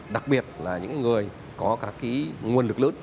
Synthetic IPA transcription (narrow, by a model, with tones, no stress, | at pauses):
ɗa˨˩k̚ɓi˨˩ət̚laː˨˩ɲɨ̰˧˥ŋkaː˨˧˦ŋɨ˨˩əj | kɔ˨˦kaː˦˥kːi˨˦ŋu˨˩ənlɨ˨˩k̚lə̰˧˦n